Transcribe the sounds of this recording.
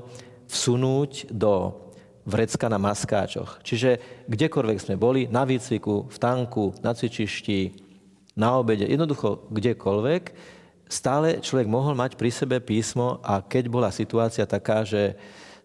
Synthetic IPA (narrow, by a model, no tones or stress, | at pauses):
fsunuːɟd̪ɔ | ʋɾɛt͡skanamaska̰ːt͡ʃɔ̰xt͡ʃiʒɛɡɟɛkɔlʋɛɡz̥mɛbɔlinaʋiːt͡sʋikuft̪aŋkunat͡sit͡ʃiʃci | naɔbɛɟɛ̰jɛ̰d̪nɔd̪uxɔɡɟɛkʰɔlʋɛk | st̪aːlɛt͡ʃlɔʋɛɡmɔɦɔlmacpɾisɛbɛpiːsmɔʔakɛɟbɔlasit̪uaːt͡siat̪akaːʒɛ